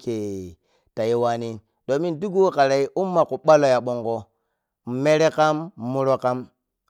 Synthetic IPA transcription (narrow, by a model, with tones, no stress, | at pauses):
ke˨ | ta˨je˦wa˦ni˦ | do˨mi˦ndu˦ɡu˦wka˨ɾa˨i˦ʔu˦mːa˨ku˨ɓa˦lo˦ja˨ɓo˨ŋɡo˦˨ | me˦ɾe˦ka˦m˨mu˦ɾo˦ka˦m